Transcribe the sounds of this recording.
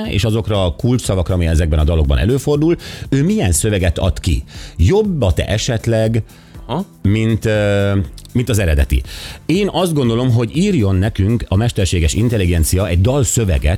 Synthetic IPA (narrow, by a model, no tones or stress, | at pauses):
ḛːʃɒzo̞krɒkult͡ʃsɒvɒkrɒmiɛzɛɡ̚bɛnɒd̪ɒlo̞ɡ̚bɒ̰nɛ̰løːfo̞rd̪uløːmijɛnsø̞vɛɡɛt̪ɒ̰t̪kḭjo̞bːɒt̪ɛ̰ʔɛʃɛt̪lɛɡ | mint̪ | mint̪ɒzɛɾɛd̪ɛt̪ḭeːnɒzd̪ɡo̞nd̪olo̞mɦo̞ɟiːrjo̞nːɛkyŋkɒmɛʃt̪ɛrʃeːɡɛʃḭnt̪ɛliɡɛnt̪sijɒɛɟd̪ɒlsø̞vɛ̰ɡɛ̰t̪